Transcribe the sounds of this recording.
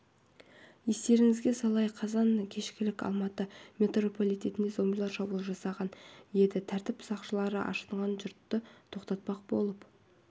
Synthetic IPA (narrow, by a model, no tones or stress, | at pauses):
je̞st̪e̞ɾɪŋɪzɡʲe̞sɑlˠɑjqʰɑzɑŋkʲʰe̞ʃkʲɪlɪkʲɑ̰lˠmɑt̪əme̞t̪ro̞po̞lʲˠijt̪e̞t̪ɪnezo̞mbʲilˠɑɾʃɑbulˠəʒɑsɑʁɑnje̞d̪ɪt̪ʰæɾt̪ɪpsɑqʃəlˠɑɾəʔɑ̰ʃəɴʁɑnʒʊɾt̪ːət̪ʰo̞qt̪ɑt̪̚pɑq̚bo̞̰lˠəp